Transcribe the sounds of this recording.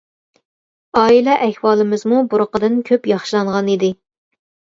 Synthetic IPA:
ɑːilɛʔɛhwɑːlˠɨmɨzmubuɾʊqəd̪ɨnkʲʰøpjɑχʃilˠɑɴʁɑnid̪ɪ

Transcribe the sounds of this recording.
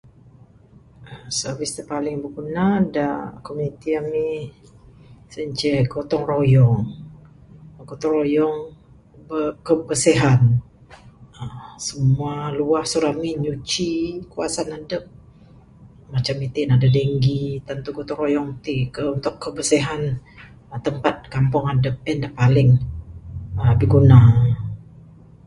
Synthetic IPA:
əsərvɪst̪əpalɪŋbəɡunadakomunit̪iami | səɲt͡ʃɛɡot̪ɔŋrojɔŋ | ɡot̪ɔŋrojɔŋ | bəkəbəseɦan | əsəmualuahsuɾamiɲut͡ʃikua̰sanadəp̚ | mat͡ʃamit̪inadadeŋɡit̪ənt̪uɡot̪ɔŋrojɔŋt̪ikəunt̪ʊkkːəbəseɦan | t̪əmpat̪̚kampʊŋadəp̚ɛndapalɪŋ | əbiɡuna

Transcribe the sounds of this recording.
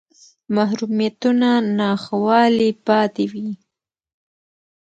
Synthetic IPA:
mahɾumijat̪unanɑxawɑlipɑt̪ewi

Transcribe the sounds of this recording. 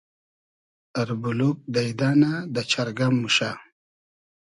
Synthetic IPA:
aɾbuluk̚d̪ajd̪anad̪ət͡ʃʰaɾɡamːuʃa

